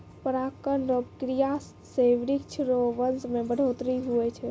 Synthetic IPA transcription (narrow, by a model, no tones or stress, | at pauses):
pəɾakənɾobkɾija | seʋɾik̚t͡ʃʰɾoʋənsmebəɽ̤ʱot̪ɾiɦuɛt͡ʃʰɛ